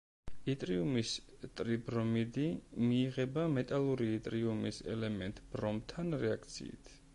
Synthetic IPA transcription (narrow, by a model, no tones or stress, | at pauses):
it̪ʼɾiumis | t̪ʼɾibɾɔmid̪imiːʁɛbamɛt̪ʼalˠuɾiit̪ʼɾiumisɛ̰lɛmɛnt̪ʼb̥ɾɔmt̪ʰanɾɛak̚ʰt̪sʰḭḭt̪ʰ